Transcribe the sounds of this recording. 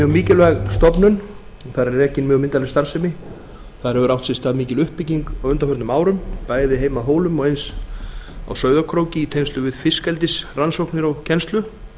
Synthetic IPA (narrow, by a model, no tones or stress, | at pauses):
mjœɣmiːcɪlvɛːɣst̪ɔpnʏn | ɔθaðɾɛɾrɛcːɪnmjœɣmɪnt̪alɪst̪aɾ̥sɛjmɪ | θaðɾɛvʏɾawht̪sɪst̪aðmiːcɪlʏhpːɪciŋkawʏnt̪afœɾt̪nʏmaːwɾʏmpaːjðɪɦejmaðɦoːwlʏmɔɣejns | a̰wsœːɥðakʰɾowcɪit̪ʰejnst̪ʏvɪðfɪskɛlt̪ɪsransowknɪɾɔɣcʰɛnst̪lʏ